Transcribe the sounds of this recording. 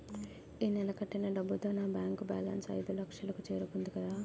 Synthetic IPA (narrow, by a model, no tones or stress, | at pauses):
iːnɛlɐkɐʈːinɐɖɐbːut̪o̞ːnaːbjaːŋkuba̰ːlɐ̰nsɐ̰jd̪ulɐkʂjɐlɐkut͡ʃe̞ːɾukund̪ikɐd̪aː